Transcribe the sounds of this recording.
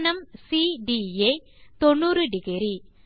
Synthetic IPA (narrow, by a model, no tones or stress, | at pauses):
nɐmsiɖie | t̪ɔɳːuːrɯɖɪɣɪɾi